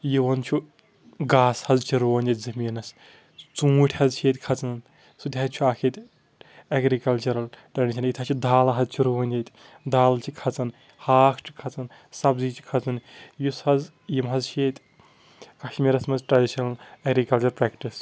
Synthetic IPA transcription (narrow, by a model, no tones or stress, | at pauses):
jiʋɐnt͡ʃʰu | ɡaːshɐzt͡ʃʰiɾoːɐnʲɐt̪̚ʲzɐmiːnɐs | t͡sũːʈʲʰhɐzt͡ʃʰeːt̪ʲkʰɐt͡sɐn | sud̪ʲɦɐt̪̚t͡ʃʰuaːkʰet̪ʲ | ɐɡɾikɐlt͡ʃɐɾɐlʈɐniʃʰɐnit̪ʰaːt͡ʃʰid̪aːlɐɦɐzt͡ʃʰiɾoʋɐnʲɐt̪ʲ | d̪aːlt͡ʃʰikʰɐt͡sɐn | haːkʰt͡ʃʰi̥kʰɐt͡sɐn | sɐbziːt͡ʃʰi̥kʰɐt͡sɐnjushɐz | jimɦɐzt͡ʃʰeːt̪ʲ | kɐʃmiɾɐsmɐnzʈɾɐɖiʃɐnɐlɐɡɾikɐlt͡ʃɐɾpɾɛːkʈis